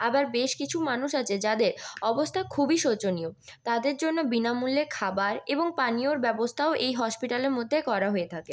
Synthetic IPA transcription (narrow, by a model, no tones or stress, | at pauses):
abaɾbeʃkit͡ɕʰumanuʃat͡ɕʰed͡ʑad̪eɾɔbost̪ʰakʰubiʃot͡ɕoniot̪ad̪eɾd͡ʑonːobinamulːekʰabaɾeboŋpanioɾbɛbost̪ʰaoʔejɦɔʃpiʈaleɾmod̪ʱːekɔɾaɦoet̪ʰake